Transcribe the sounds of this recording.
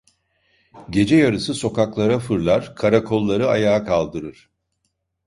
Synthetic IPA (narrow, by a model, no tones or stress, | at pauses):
ɟe̞d͡ʒɛjaɾɯsɯso̞kaklˠaɾafɯɾlˠaɾ̥kʰaɾakʰo̞lˠːaɾɯajaːkʰalˠd̪ɯɾɯɾ̥